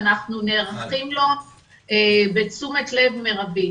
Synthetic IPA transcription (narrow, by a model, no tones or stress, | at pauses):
naχnuneʁaχimlo̞ | ebet͡sumetle̞vmeʁabi